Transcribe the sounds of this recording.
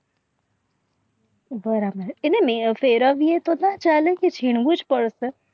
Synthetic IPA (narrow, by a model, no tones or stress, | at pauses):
bəɾabəɾenemefeɾəʋiet̪onat͡ʃalekit͡ʃʰiɳ̃ʋũd͡ʒpəɽse